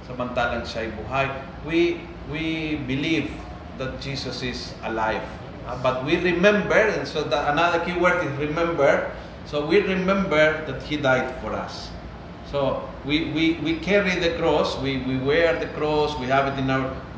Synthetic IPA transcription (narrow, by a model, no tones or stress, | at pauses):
sɐmɐ̃nt̪alaŋʃajbʊɦaj | wi | wibɪliv | d̪at̪̚d͡ʒisɐsɪs | alajv | bat̪̚wiɹɪmɛ̃mbɛɹɛ̃nsod̪aanaðəɹkiwɛɹd̪ɪsɹɪmɛ̃mbɛɹ | sowiɹɪmɛ̃mbɛɹd̪at̪hid̪ajd̪fɔɹa̰sː | o | wiwiwikʰɛɹid̪ɐkɾɔswiwiwɛɹd̪ɐkɾɔswihavɪt̪ɪ̃nawɹ